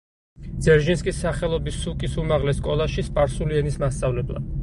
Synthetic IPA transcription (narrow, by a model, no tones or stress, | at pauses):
d̪zɛɾʒinskʼisːaχɛlˠɔbisukʼisumaʁlɛskʼɔlˠaʃispʼaɾsuliɛnismast̪sʼavlɛblˠa̰